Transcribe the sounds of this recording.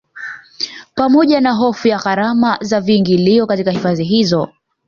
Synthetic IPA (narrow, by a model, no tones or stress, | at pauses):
pamɔʄanaɦɔfujaɣaɾamazaviŋɡiliɔkatikahifaziɦizɔ